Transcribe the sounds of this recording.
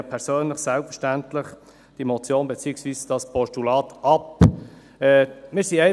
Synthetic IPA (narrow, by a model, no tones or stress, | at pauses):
pʰɛɾsøːnləχsɛlpfəʃtæntlɪχ | d̥imot͡sjoːnbɛt͡siːɪksviːsd̥ɑspɔʃtulɑːt̪ʔɑp | ɛːmɪːɾsiɛɪ